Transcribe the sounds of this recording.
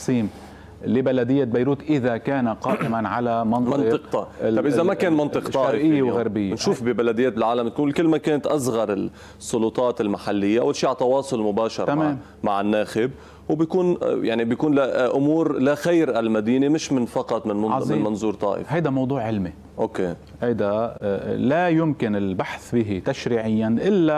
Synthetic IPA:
sˤiːm | libalad̪ɪjːabajɾuːt̪ʔɪðakaːnaqɑːʔɪmanʕalamɑnmɑnt̪ɨq̚t̪ɑɑbʔɪzamakeːnmɑnt̪ˤɨqt̪ˤɑːʔɪʔɪjːewɣaɾbɪjːnʃuːfbɪbalad̪ɪjːeːt̪ɪlʕaːlamt̪̚kuːnlkɪlːmakeːnat̪ʔazɣɑɾˤɪl | sˤːʊlut̪ˤɑːt̪ɪlmaħalːɪjːaʔa̰wːalʃiːʕalt̪ɑwɑːsˤʊlmʊbaːʃɑ̰ɾˤameːm | maʕɪnːaːxɪb̚ | wbjakuːnjaʕnibjakuːnlaʔʊmuːɾlaxajɾʔalmad̪iːnemɪʃmɪnfɑqɑt̪ˤmɪnmɪnmɑnzuːɾt̪ˤɑ̰ːʔɪ̰fhajd̪amɑwd̪ˤuːʕʕɪlmi | ʔoke | hajd̪a | lajʊmkɪnɪlbaħθbiɦit̪aʃɾiːʕɪjːanʔɪlːa

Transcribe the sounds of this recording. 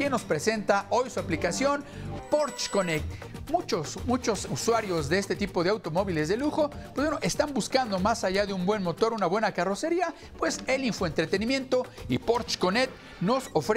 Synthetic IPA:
jenːo̞spɾe̞se̞nt̪ao̞jsuaplikasjo̞npoɾt͡ʃko̞nek̚t̪mut͡ʃosmut͡ʃo̞suswaɾjo̞zðeest̪e̞t̪ipo̞ð̞e̞awt̪o̞mo̞βile̞zðe̞luxo̞pwezweno̞ʔe̞st̪ambuskand̪o̞masaʝaðeumbwe̞nmo̞t̪o̞ɾunaβwe̞nakaro̞se̞ɾia | pwe̞se̞liɱfoe̞nt̪ɾet̪e̞nimjẽ̞nt̪o̞ḭpo̞ɾt͡ʃko̞net̪̚ | no̞sofɾ

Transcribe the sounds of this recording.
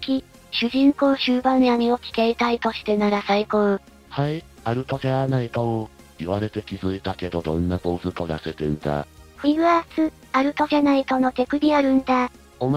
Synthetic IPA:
kʲi | ɕɨʑĩŋko̞ːɕɨːbãnam̟ʲio̞kʲi̥k̪eit̪ait̪o̞ɕi̥t̪e̞naɾasaikoː | hai | aɾɯ̟t̪okeanait̪oo | iβaɾe̞t̪e̞kʲizɨit̪ake̞d̪o̞d̪õ̞̰nːabo̞ːzɨt̪oɾa̰set̪end̪a̰ɸ̟ʲiɾɯasɨ | aɾɯ̟t̪okanait̪o̞no̞t̪e̞kɯ̟dʲiaɾɯ̟̃nd̪a | om

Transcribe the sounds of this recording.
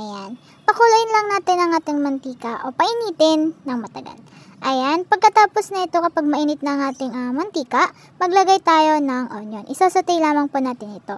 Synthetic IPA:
ʔɐjan | pɐkʊlʊʔɪnlɐŋnaːt̪ɪnɐŋʔaːt̪ɪŋmɐnt̪iːkɐʔo̞pɐʔɪniːt̪ɪnːɐŋmɐt̪ɐɡa̰lʔɐjanpɐɡ̚kɐt̪aːpo̞snɐʔɪt̪o̞kɐpaɡ̚mɐʔiːnɪt̪̚nɐŋʔaːt̪ɪŋɐmɐnt̪iːkɐ | mɐɡlɐɡajt̪aːjo̞nɐŋʔo̰njonʔɪsasɐt̪ɛjlaːmɐŋponaːt̪ɪnɪt̪o̞

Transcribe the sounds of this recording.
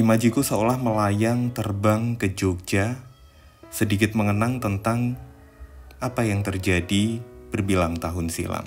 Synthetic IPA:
imad͡ʒukusəolahməlajaŋt̪ərbaŋkəd͡ʒoɡ̚d͡ʒa | sədik̬ɪt̪̚məŋənaŋt̪ənt̪aŋ | apajaŋt̪ərd͡ʒadib̥ərbilaŋt̪aɦʊnsḭla̰ŋ

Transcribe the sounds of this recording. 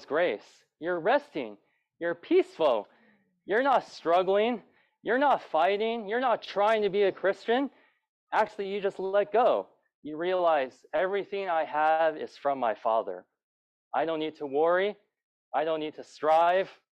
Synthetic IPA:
zɡ̥ɹeɪs | jə˞ɹɛstɪ̰̃ŋ | jə˞pʰisfl̩ˠ | jə˞nətstɹ̥ʌɡl̩ˠɪ̃ŋ | jə˞nətfaɪɾɪ̃ŋjə˞nətʰɹ̥aɪɪ̃ŋtʰɨbiɨkʰɹ̥ɪst͡ʃɨ̃n | ʔæk̚t͡ʃʉl̩ˠijɨd͡ʒʌstˡlɛt̚ɡ̥oʊ | jɨɹiəlaɪzɛvɹiθɪ̃ŋaɪəvɪ̰z̥fɹʌ̃mːaɪfɑ̰ðə̰˞ | ʔaɪɾõʊ̃nːid̚tʰəwɔɹi | ʔaɪɾõʊ̃nːid̚tʰɨstɹ̥aɪv̥

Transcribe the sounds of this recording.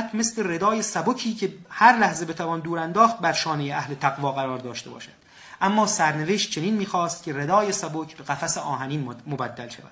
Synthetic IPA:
t̪ʰme̞sle̞re̞d̪ɒːje̞sæbocʰiːcʰe̞hæɾlæhze̞be̞t̪ʰævɒːnd̪uːɾænd̪ɒːχt̪̚bæɾʃɒːnejeʔæhlet̪ʰæɣvɒːɣæɾɒːɾd̪ɒːʃt̪e̞bɒ̰ːʃæ̥d̪̥ | ʔæmːɒːsæɾne̞veʃt̪̚t͡ʃʰe̞niːnmiːxɒːst̪̚cʲʰe̞ɾe̞d̪ɒːjesæbocʰb̥e̞ɣæfæseʔɒːɦæniːnmobæd̪ːælʃæ̰væd̪̥

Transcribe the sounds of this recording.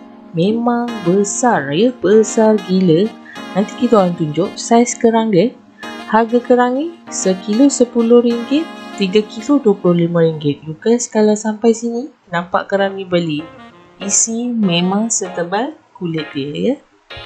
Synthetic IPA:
mẽmaŋbəsarjəbəsarɡilə | nãnt̪ikit̪aant̪uɲd͡ʒʊʔsajskəɾaŋdə | haɡakəɾaŋisəkilosəpulʊhɾiŋɡɪt̪ːiɡakiloduəpulʊhlimãɾiŋɡɪt̪̚d͡ʒuɡasə̥kalasampajsini | nãmpa̰ʔkəɾaŋĩbəli | isimẽmãŋsət̪əbalkulɪt̪̚dəjə

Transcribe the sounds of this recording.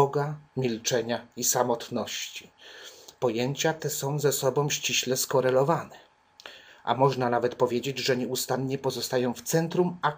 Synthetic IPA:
ɔɡamʲilt͡ʂɛɲaisamɔt̪nɔɕt͡ɕi̥pɔjeɲt͡ɕat̪ɛsɔ̃w̃zɛsɔbɔ̃w̃ɕt͡ɕiɕlɛskɔɾɛlɔvanɛ | ʔa̰mɔʐnanavɛt̪pɔvʲjed͡ʑed͡ʑʐɛɲɛust̪anɲɛpɔzɔst̪ajɔ̃w̃ft̪sɛnt̪ɾuma

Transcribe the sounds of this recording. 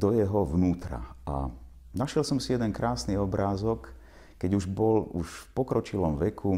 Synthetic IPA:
d̪ɔjɛɦɔʋnuːt̪ɾa̰a̰ | naʃjɛlsɔmsijɛd̪ɛnkɾaːsniɔbɾaːzɔkː | ɛɟuʒbɔluʃfpɔkɾɔt͡ʃilɔmʋɛkʰu

